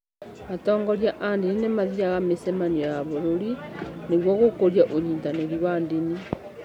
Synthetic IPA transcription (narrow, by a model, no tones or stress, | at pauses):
matɔːŋɡoɾjaʔandininemaðiɾaɣamesemanijaβoɾoɾineɣwoɣokoɾjaʔoɾiːndaneɾiwandini